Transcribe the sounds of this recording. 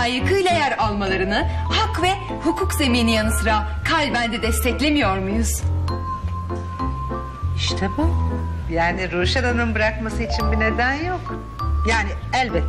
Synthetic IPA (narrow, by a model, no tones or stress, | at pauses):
ajɯkɯjlˠajæɾalˠmalˠaɾɯnɯhakvɛ | hukʰukze̞miːnijanɯsɯɾakʰalʲbænd̪ɛd̪ɛst̪ʰɛclʲe̞mijo̞ɾmujuz̥ | iʃt̪ʰɛbu | jaːniɾuʃad̪anɯnbɯɾakmasɯit͡ʃʰinbine̞d̪ænjok | jaːni | ælʲbɛt̪ː